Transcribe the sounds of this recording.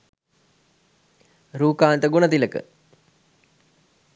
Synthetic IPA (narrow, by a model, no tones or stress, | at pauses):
ɾuːkaːnt̪əɡonət̪iləkə̰